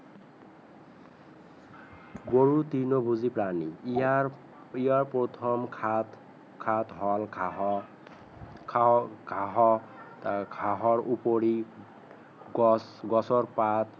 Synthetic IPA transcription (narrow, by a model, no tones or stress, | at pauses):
ɡoɹut̪inobʱuzipɾanḭ | ijaɹpɔt̪ʰɔmkʰat̪ | kʰat̪ɦɔl | ɡʱaɦɔ | ɡʰʱaɦɔɹupoɽi | ɡɔsɔɹpat̪